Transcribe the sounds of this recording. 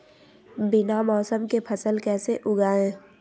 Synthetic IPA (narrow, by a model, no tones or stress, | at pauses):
bɪnamɔːsəmkepʰəsəlkɛːseʔʊɡaːẽː